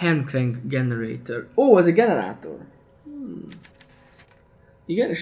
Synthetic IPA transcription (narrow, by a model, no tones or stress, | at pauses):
hɛnklɛŋɡɡɛnɛɾḛjt̪oroːɛzəɡɛnɛɾa̰ːt̪o̰r̩ | iɡɛneːʃ